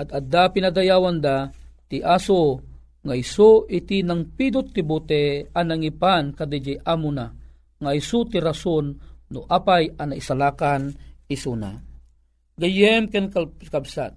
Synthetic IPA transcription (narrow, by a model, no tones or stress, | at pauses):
ʔad̪ad̪apinad̪ajawand̪at̪iʔaso | ŋaisoʔit̪inaŋpid̪ʊt̪ːibut̪ɛanaŋipankad̪id͡ʒiʔamuna | ŋaisut̪iɾasonːʊʔaːpajanaisalaːkanisuna̰ | ɡajɛmkɛnkakabsa̰t̪̚